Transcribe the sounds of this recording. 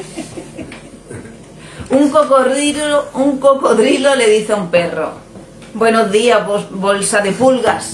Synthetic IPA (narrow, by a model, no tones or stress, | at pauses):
uŋkok | uŋkokoðɾiloleðiθaumpero̰ | bwenozðiabolsaðepulɣas